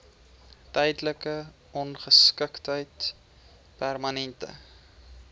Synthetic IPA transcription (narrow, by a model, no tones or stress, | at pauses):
tɛjdləkə | ɔnχəskəktɦəjt | pærmɐnɛntə̰